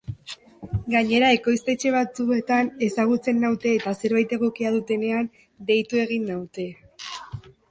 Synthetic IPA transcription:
ɡaɲe̞ɾae̞ko̞jst̪e̞t͡ʃe̞β̞at͡sue̞t̪ane̞saɣ̞ut͡se̞nːawt̪e̞ːt̪ase̞ɾβajt̪e̞ɣo̞kiaðut̪e̞ne̞an | d̪e̞jt̪ue̞ɣ̞inːawt̪e̞

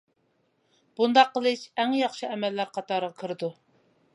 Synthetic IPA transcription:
b̥und̪ɑqːəlˠɨʃɛŋjɑχʃɨɛmɛlːæɾqʰɑt̪ɑɾʁɑkʰɨɾɨd̪u

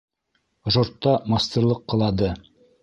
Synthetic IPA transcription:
ʒoɾt̪ːɑmasʲt̪ʲerlˠɤqːɤ̆lˠɑd̪ɤ

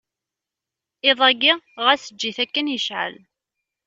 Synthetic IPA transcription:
ɪðˤæɡiʁæsəd͡ʒːiθækːənjəʃʕə̰l

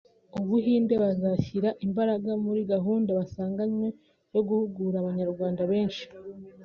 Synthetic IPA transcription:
oβuɦiːnde̞βazaçiɾaʔimbaɾaɡamuɾiɡaɦuːndaβasaːŋɡaɲwe | jo̞ɡuhuɡuɾaβaɲaɾɡwaːndaβe̞ːnʃi̥

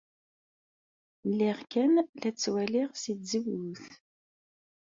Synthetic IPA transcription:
lːiʁkænlæt͡sːwæliʁsiziwuθ

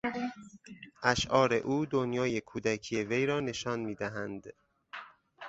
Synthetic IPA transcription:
ʔæʃʔɒːɾe̞ʔuːd̪onjɒːje̞kʰuːd̪ækʰije̞ve̞jɾɒːne̞ʃɒːnmiːd̪æɦænd̪

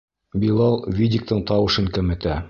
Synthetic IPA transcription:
bilˠɑlˠvʲidʲik̚t̪ɤɴt̪ɑwɤ̆ʃɤŋkɘ̆mɘ̆t̪æ

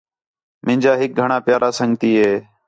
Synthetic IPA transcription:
mɪ̃nd͡ʒaːɦɪk̚ɡʱəɳaːpjaːɾaːsəŋɡt̪iːɦeː

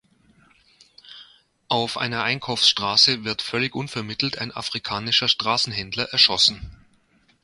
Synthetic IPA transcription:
ʔaʊfʔa̰ɪnɐʔaɪnkʰaʊfsʃtʁ̥aːsəvɪɐtfœlɪçʔʊnfɛɐmɪtl̩tʰa̰ɪna̰fʁ̥ikʰaːnɪʃɐʃtʁ̥aːsn̩ɦɛndlɐʔɛɐʃɔsn̩

